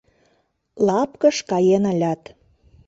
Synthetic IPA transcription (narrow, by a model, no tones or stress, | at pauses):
lɑpkəʃkɑjenəlʲɑt̪